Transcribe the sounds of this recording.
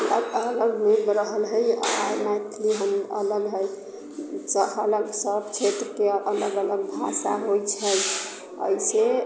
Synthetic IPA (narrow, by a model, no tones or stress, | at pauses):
ələɡələɡmebɾəɦəlɦəjajmat̪ʰliɦəmə̰ləɡɦəj | səələɡsəbt͡ʃʰet̪ɾkeələɡələɡ̚bʱa̰saɦojt͡ʃʰəj | ə̰ise